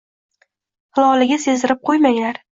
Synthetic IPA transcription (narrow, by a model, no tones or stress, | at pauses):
hɨlˠɒlɪɡʲase̞zɪɾɪp̚qʰojmaŋlaɾ